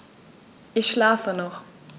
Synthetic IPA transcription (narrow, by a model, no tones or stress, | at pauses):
ʔɪçʃlaːfənɔχ